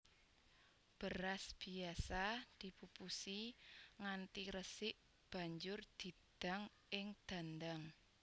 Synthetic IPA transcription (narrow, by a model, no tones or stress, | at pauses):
b̥əɾasb̥i̤asad̪̥i̤pupusiŋant̪iɾəsɪʔ | b̥ä̤ɲd͡ʒʊrd̪̥i̤d̪̥a̤ŋ | ʔɪŋd̪̥a̤nd̪aŋ